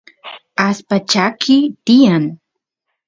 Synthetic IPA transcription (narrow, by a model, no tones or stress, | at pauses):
aspat͡ʃakʰɪt̪ɪjaŋ